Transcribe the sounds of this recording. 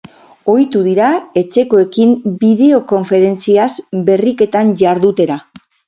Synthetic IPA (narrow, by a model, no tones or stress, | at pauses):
o̞jt̪uðiɾae̞t͡se̞ko̞e̞kimbiðe̞o̞ko̞ɱfe̞ɾe̞nt͡siazbe̞rike̞t̪anʝaɾðut̪e̞ɾa